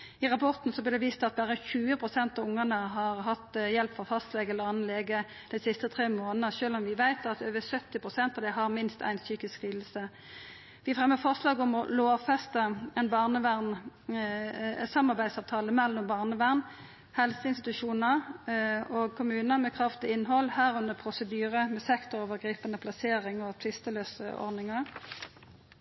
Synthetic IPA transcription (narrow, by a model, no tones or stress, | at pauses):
ɪʁɑpʰɔʁt̪n̩sɔblɪd̪ɛʋiːst̪ɑt̪̚bæːʁəçʉːəpʰʁʊsɛnt̪ɑʋʊŋəʁnəɦɑʁɦɑt̪ːjɛlpfɔʁfɑst̪lɛɡəɛlːəʁɑnlɛɡə | d̪̥ɛnsɪst̪ət̪ʰʁeːmoːnnəʃøːlɔmʋɪʋæɪt̪ɑt̪øːʋəsœt̪ːɪpʰʁʊsɛnt̪ɑʋd̪ɛɦɑʁmɪnst̪ʰæ̰ɪnsyːkɪskʁiːd̪l̩sə | ʋɪɑfʁɛmːəfɔʁslɑːɡɔmɔloːfɛst̪əɛnbɑʁnəʋæʁn | sɑmːɑʁbæɪd̪sɑːʋt̪ʰɑːləmɛlːɔmbɑːʁnəʋæʁn | hɛlsəɪnst̪ɪt̪ʉʂuːnəʁ | oɡ̚kʰʊmʉːnəmɛkʰʁɑft̪ɪɪnːɦɔlhæːʁʉnd̪əpʰʁʊsəd̪yːʁəmɛsɛkt̪ʊɾoːʋəɡʁiːpənəpʰlɑseːʁɪŋɔt̪ʰʋɪst̪əløːsə̰ʔɔ̰ʁnɪŋəʁ